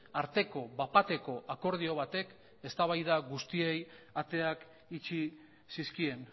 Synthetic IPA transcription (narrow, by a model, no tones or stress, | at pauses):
aɾt̪e̞ko̞βapat̪e̞ko̞ʔako̞ɾð̞io̞β̞at̪e̞k | e̞st̪aβajðaɣust̪ie̞jat̪e̞ak | it͡ʃi | siskie̞n